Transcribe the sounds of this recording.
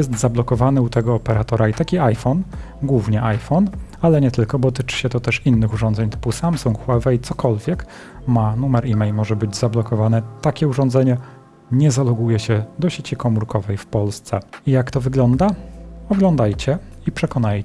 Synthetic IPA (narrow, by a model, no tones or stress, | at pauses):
jɛst̪zablɔkɔvanɘut̪ɛɡɔːpɛɾat̪ɔɾait̪akʲiajfɔn | ɡwuvɲɛʔajfɔnalɛɲɛt̪ɘlkɔbɔt̪ɘt͡ʂɘ̥ɕɛt̪ɔt̪ɛʂinːɘxuʐɔnd̪zɛɲt̪ɘ̥pusamsuŋkxwavɛit̪sɔkɔlvʲjɛk | manumɛɾimɛjmɔʐɛbɘd͡ʑzablɔkɔvanɛt̪akʲɛuʐɔnd̪zɛɲɛ | ɲɛzalɔɡujɛɕɛd̪ɔɕet͡ɕikɔmuɾkɔvɛjfpɔlst̪sɛijakt̪ɔvɘɡlɔnd̪aɔɡlɔnd̪ajt͡ɕɛ | ipʂɛkɔnaj